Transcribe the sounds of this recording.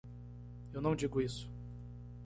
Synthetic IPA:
ewnɐ̃w̃d͡ʒiɡʊisʊ̥

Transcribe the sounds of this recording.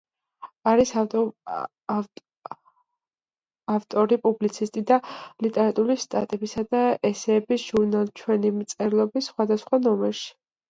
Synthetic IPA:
aɾis | aft̪ʼɔɾipʼublit̪sʰist̪ʼid̪alit̪ʼɛɾat̪ʼulist̪ʼa̰t̪ʼɛbisad̪aɛsɛːbisʒ̥uɾnalˠt͡ʃʰwɛnimt̪sʼɛɾlˠɔbisːχwad̪asχwanɔmɛɾʃi̥

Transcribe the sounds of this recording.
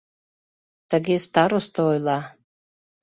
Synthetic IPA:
t̪aɡʲest̪aɾost̪əojlˠɑ

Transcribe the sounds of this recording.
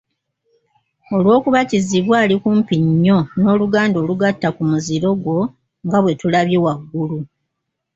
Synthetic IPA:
o̞lwo̞ːkuβaciziβwaːlikuːmpiɲːo̞no̞ːluɡaːndo̞ːluɡatːakumuziɾo̞ɡwo̞ | ŋɡaβwe̞tulaβjewaɡːulu

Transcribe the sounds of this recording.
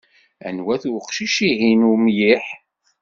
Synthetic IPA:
æ̰nwæθuqʃiʃiɦinumjiħ

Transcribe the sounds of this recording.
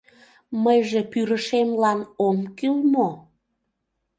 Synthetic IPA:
məjʒepyɾəʃemlɑnomkilmo

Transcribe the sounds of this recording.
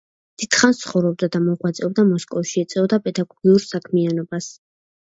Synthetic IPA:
d̪̥it̪χant̪sʰχɔvɾɔb̚d̪ad̪amɔʁwat̪sʼɛbd̪amɔskʼɔfʃiɛt̪sʼɛɔd̪apʼɛd̪aɡɔɡiuɾsakʰmianɔbas

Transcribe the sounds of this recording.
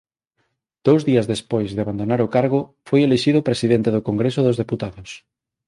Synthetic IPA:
d̪̥owzðiɐzðespojzðeaβand̪onaɾokaɾɣ̞ʊ | fojeleʃiðʊpɾesiðent̪eðokoŋɡɾesʊðʊzðeput̪aðʊs

